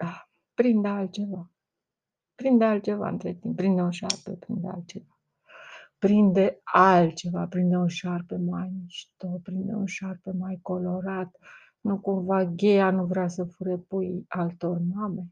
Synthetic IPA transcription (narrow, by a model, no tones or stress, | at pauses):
a | pɾind̪ealt̪t͡ʃe̞va | pɾind̪ealt̪̚t͡ʃe̞va̰ɨ̰nt̪ɾet̪imp̚pːɾind̪eoʃarpḛpɾind̪ea̰lt̪̚t͡ʃe̞va | pɾind̪ealt͡ʃe̞vapɾind̪eunʃarpemajmiʃt̪opɾind̪ḛunʃarpemajko̞lo̞ɾat̪ | nukumvaɡʲe̞januvɾeasəfuɾepujalt̪o̞rmame̞